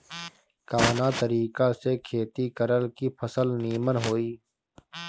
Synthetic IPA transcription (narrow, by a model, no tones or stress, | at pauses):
kaːʋnaːt̪əɾiːkasekʰeːt̪ikəɾəlkipʰəsəlniːmənɦoːiː